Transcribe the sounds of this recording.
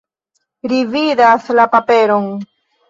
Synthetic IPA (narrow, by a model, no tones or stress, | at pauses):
ɾividaslapapeɾoŋ